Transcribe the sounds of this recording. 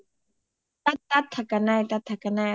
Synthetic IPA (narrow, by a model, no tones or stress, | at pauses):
t̪at̪ːat̪ʰːakanajt̪at̪ʰakana